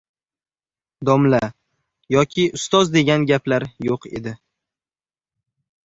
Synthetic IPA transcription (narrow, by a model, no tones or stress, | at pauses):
d̪ɒmla | jɒkʲʰɪʊst̪ɒzd̪e̞ɡʲanɡʲaplaɾjoqḛd̪ɪ